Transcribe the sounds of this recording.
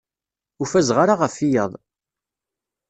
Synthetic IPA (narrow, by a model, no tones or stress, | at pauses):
ʊfæzʁaɾaʁəfijəðˤ